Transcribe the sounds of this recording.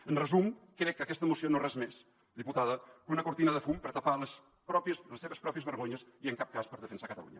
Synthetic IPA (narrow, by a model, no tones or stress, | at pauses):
ənrəzumkɾɛkːəkɛst̪əmusionorɛzmes | d̪iput̪aðəkunəkuɾt̪inəðəfumpəɾt̪ɐpaləs | pɾɔpjəsləseβəspɾɔpiəzβəɾɣoɲəsiəŋkap̚kaspəɾðəfənsakət̪ə̰lṵɲə̰